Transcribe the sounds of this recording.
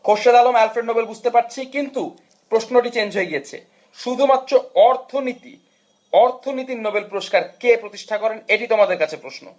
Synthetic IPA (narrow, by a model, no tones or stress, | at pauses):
koʃed̪alomɛlfɾeɖnobelbud͡ʑʱt̪epaɾt͡ɕʰikint̪u | pɾoʃnoʈ̬it͡ɕeɲd͡ʑʱojeɡijet͡ɕʰḛ | ʃud̪ʱumat̪ːɾoɔɾt̪ʰonit̪ḭ | ɔɾt̪ʰonit̪̬inobelpuɾoʃkaɾkepɾot̪iʃʈʰakɔɾeneʈit̪omad̪eɾkat͡ɕʰepɾoʃno̰